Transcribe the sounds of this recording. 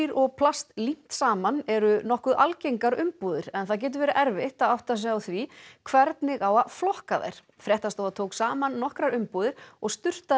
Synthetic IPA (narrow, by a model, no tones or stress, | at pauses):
ɾɔɣpʰlast̪lim̥t̪saːmanɛɾʏnɔhkʏðʔa̰lcejŋkaɾʏmpuːðɪɾ̥ɛnθac̬ɛːt̪ʏvɛːɾɪʔɛɾvɪht̪aðawht̪as̬ɛawθvikʰvɛɾt̪nɪɣawaðflɔhkaðḛjɾ̥ | fɾjɛht̪ast̪oːðat̪ʰowksaːmanːɔhkɾaɾʏmpuːðɪɾɔɣst̪ʏr̥t̪a